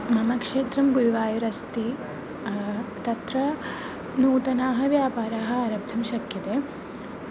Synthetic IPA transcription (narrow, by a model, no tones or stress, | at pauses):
mɐmɐkʂeːt̪ɾɐmɡuɾuʋaːjuɾɐst̪i | t̪ɐt̪ɾɐ | nuːt̪ɐnaːɦɐ̆ʋjaːpaːɾaːɦɐ̆aːɾɐb̚d̪ʱɐmʃɐkjɐt̪eː